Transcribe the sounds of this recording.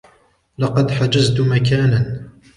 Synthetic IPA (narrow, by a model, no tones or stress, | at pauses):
lɑqɑd̪ħad͡ʒazt̪ʊmakaːnan